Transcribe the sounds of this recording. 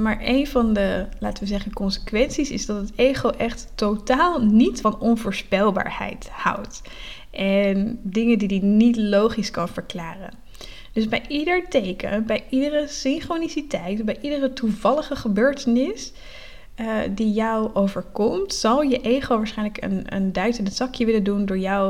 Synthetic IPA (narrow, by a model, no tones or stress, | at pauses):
maːɹʔejnvɑndəlaːtəʋəzɛχənkɔnsə̥kʋɛnsisɪ̰zdɑtətejχowʔɛχtː | owtaːlˠnitfɑnɔnvʊːɹspɛlˠba̰ːɹhɛ̰jthʌ̰wt | ʔɛndɪŋəndidinitlowχiskɑnv̥əɹklaːrə̰n | d̥øzbɛjʔidəɹtejkə̰nbɛjʔidərəsɪnχronisitɛjtɔbɛjʔidərətuvɑləχəχəbøːɹtənɪs | dijɔwowvəɹkɔmtsɑlˠjəʔejχowʋaːɹsχɛjnləkə̰nə̰ndœɥtənəsɑkjəʋɪləndundʊːɹjɔw